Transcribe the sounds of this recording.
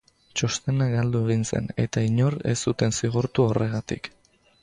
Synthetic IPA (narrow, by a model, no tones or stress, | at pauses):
t͡ʃo̞st̪e̞naɡald̪ue̞ɣ̞inse̞̰ne̞̰t̪aiɲo̞ɾe̞̰sut̪e̞nsiɣ̞uɾt̪uore̞ɣ̞at̪ḭk